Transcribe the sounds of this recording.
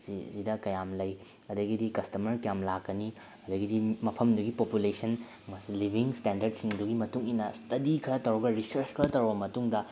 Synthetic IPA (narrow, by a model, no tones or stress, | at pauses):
sizidɐkɐjamlɐj | ɐdɐɡidikɐstɐmɐɾkɐjamlakːɐni | ɐdɐɡidimɐpʰɐmduɡipopulesɐn | mɐsilibʱiŋstendɐɾd̚siŋduɡimɐtuŋinɐstɐdikʰɐɾɐtɐwɾɐɡɐɾisɐɾskʰɐɾɐtɐwɾbɐmɐtuŋdɐ